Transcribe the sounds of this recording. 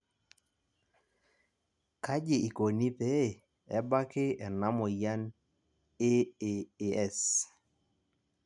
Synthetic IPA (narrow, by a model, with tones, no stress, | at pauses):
ka˦d͡ʒɪ˨i˨ko˨ni˦pɛ˦˨ | ɛ˦ba˦kɪ˦ɛ˨na˦mɔ˨ja˦n | e˦eː˨ɛ˦˨s